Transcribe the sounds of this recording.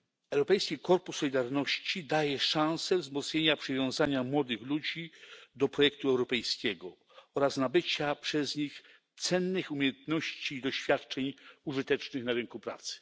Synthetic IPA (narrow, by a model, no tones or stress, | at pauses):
ɛwɾɔpɛjskʲikɔɾpusːɔlʲid̪aɾnɔɕt͡ɕid̪ajɛʂãw̃sɛvzmɔt̪sɲeɲapʂɨvʲjɔ̃w̃zaɲamwɔd̪ɘxlud͡ʑid̪ɔpɾɔjɛk̚t̪uɛwɾɔpɛjskʲɛɡɔ | ɔɾasnabɘt͡ɕapʂɛzɲix | t̪sɛnːɘxumʲjejɛnt̪nɔɕt͡ɕiːd̪ɔɕfʲjat̪t͡ʂɛɲuʐɘt̪ɛt͡ʂnɘxnaɾɘŋkupɾa̰t̪sɘ̥